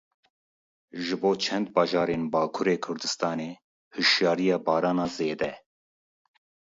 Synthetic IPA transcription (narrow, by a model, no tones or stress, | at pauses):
ʒɨboːt͡ʃʰɛnd̪bɑːʒɑːɾeːnbɑːkʰuɾeːkʰʊɾd̪ɨst̪ɑːneː | hɨʃjɑːɾijɑːbɑːɾɑːnɑːzeːd̪ɛ